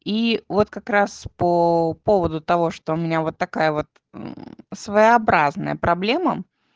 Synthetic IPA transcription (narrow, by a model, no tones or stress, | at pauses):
ivo̞t̪kɐkɾaspəpo̞vəd̪ʊt̪ɐvo̞ʂt̪oʊmʲɪnʲavo̞t̪ːɐkajəvo̞t̪̚ | svəjɐbɾaznə̰jə̰pɾɐblʲemə